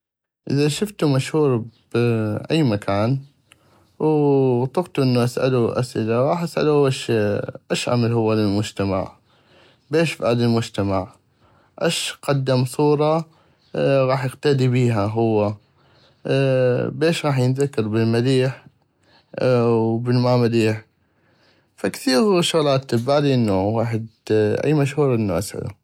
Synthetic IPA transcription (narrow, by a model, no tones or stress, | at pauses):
ʔɪðaʃʊft̪umaʃhuːɾb̥ʔa̰jːmakʰaːn | wt̪ˤʊft̪uʔɪnːuʔasʔa̰luʔa̰sʔɪlaɣɑːħʔasʔa̰luwaʃʔaʃʔʕa̰malhʊwːalɪlmʊd͡ʒt̪ama̰ʕ | beːʃfʔaːd̪ɪlmʊd͡ʒt̪amaʕ | ʔaʃqɑd̪ːamsˤuːɾˤɑ | ɣɑːħjɪqt̪ad̪ibiːɦaɦʊwːa | beːʃɣɑːħjənðakːɑɾˤbɪlmaliːħ | wbɪlmamaliːħ | fakθiːɣʃʊɣlaːt̪ːəbːaːd̪iʔɪnːuwaːħɪd̪ʔa̰jːmaʃhuːɾˤʔənːuʔa̰sʕa̰lṵ